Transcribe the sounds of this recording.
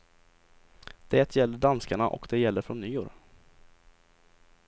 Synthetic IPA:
d̪̥ɛːt̪ʰjɛld̪əɖanskaɳaʔɔ̰kd̪ɛjɛlːəɾfɾonːyːʊɾ

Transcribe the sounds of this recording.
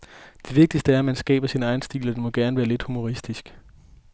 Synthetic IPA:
d̥e̝ʋe̝ɡ̥̚d̥isd̥əæɐæmænsɡ̥ɛ̰ːb̥ɐsinɑ̈ɪn̩sd̥ḭːlɒd̥enmɒ̽ɡ̥æɐnəʋæːɐle̝d̥humo̝ʁisd̥isɡ̥

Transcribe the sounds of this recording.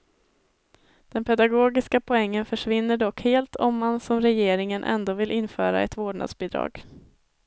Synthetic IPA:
d̪̥ɛnpʰɛd̪aɡoːɡɪskapʰɔɛŋːənfœʂvɪnːəɖɔkheːlt̪ʰɔmːansɔmɾɛjeːɾɪŋənʔɛ̰nd̪oːvɪlʔɪnfœːɾa̰ɛ̰t̪voːɖɳa̰d̪sbɪːd̪ɾɑ̰ːɡ̥

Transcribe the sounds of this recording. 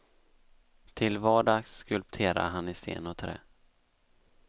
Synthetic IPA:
t̪ʰɪlvɑːɖɑːɡskɵlp̚t̪ʰeːɾa̰ɦanɪst̪ḛːnɔt̪ʰɾɛ̰ː

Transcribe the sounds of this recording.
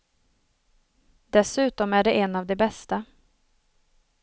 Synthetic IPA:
d̪̥ɛsʉ̟ːt̪ɔmæɖɛʔɛnːavd̪ɛbɛst̪a

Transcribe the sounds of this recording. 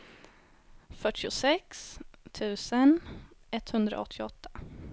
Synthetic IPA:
fœʈʰːɪʊsɛkst̪ʰʉ̟ːsənɛt̪hɵnd̪ɾa̰ɔt̪ʰːɪɔt̪ʰːḁ

